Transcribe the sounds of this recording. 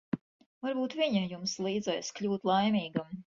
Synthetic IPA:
vaɾbuːt̪viɲajumslˠiːd̪zɛjskʎʲuːt̪lˠajmʲiːɡam

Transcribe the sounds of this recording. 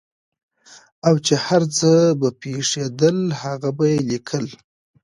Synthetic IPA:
awt͡ʃehaɾt͡səbapeʂed̪əlhaɣabajelikʰəl

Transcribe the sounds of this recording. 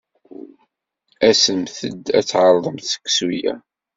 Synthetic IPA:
æsəmθəd̪æt͡sːʕəɾˤðˤəmθə̥kːsujæ̰

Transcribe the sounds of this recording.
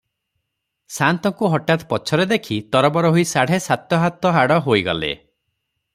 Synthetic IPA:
sant̪ɔŋkuɦɔʈat̪pɔt͡ʃʰɔɾed̪ekʰit̪ɔɾɔbɔɾɔɦoisaɽ̤esat̪ɔɦat̪ɔɦaɽɔɦojɡɔ̰lḛ

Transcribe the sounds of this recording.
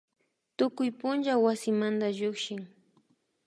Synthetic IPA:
t̪ʊkʊjpʊnʒawasɪmand̪aʒʊkʃɪŋ

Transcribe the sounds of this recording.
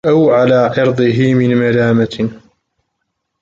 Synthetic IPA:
ʔawʕalaːʕɑɾd̪ˤɨɦɪmɪnmalaːma

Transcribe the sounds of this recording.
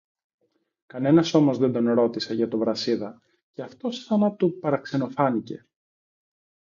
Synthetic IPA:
kɐne̞nɐso̞mo̞zðe̞nd̪o̞nɾo̞t̪ise̞ʝɐt̪o̞vɾɐsiðɐ | ceɐft̪o̞sθɐnɐt̪upɐɾɐkse̞no̞fɐnice̞

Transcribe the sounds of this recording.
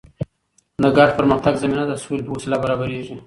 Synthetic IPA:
d̪əɡɑʈpəɾməxt̪aɡzaminad̪əswelpəwosilabaɾɑbaɾeʐi

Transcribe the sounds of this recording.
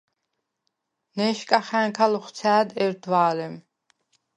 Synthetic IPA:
nɛːʃkʼaχæ̃ːŋkʰalɔχt̪sʰæːd̪ɛɾd̪waːlɛm

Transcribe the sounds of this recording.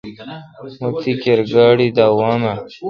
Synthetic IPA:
mut̪ikeɾɡaːɽid̪aːwaːna

